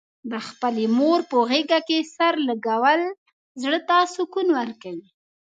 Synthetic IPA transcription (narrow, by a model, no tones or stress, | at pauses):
d̪əxpəlemoɾpoɣeɡakesaɾlaɡawəl | zɽət̪asukunwaɾkawi